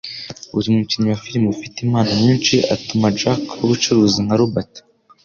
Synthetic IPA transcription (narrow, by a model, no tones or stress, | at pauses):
uɾimuciɲowafiɾimufiteimaːnaɲiːnt͡ʃiʔatumad͡ʒakuɾut͡ʃuɾuːziŋhaɾubatḁ